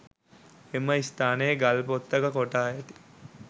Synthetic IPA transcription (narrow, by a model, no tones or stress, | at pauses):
eməist̪aːnejeɡalpot̪ːɐkɐkoʈaːjet̪i̥